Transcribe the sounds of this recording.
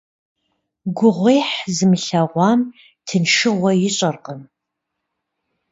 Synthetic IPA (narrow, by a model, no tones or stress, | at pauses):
ɡʷʊʁʷejħzɨmɨɬɐʁʷɑːm | tʰɨnʂɨʁʷɐjɪɕʼɐrqəm